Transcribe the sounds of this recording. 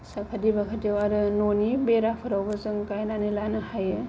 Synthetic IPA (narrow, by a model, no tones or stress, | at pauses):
sakʰadibakʰatiwaɾɯnonibeɾapʰɯɾawbɐzɯŋkajnanilanɯhajɯ